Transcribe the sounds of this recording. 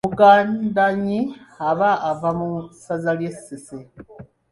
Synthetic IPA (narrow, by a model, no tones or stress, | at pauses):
muɡaːndaɲiaβaːvamusazaljesese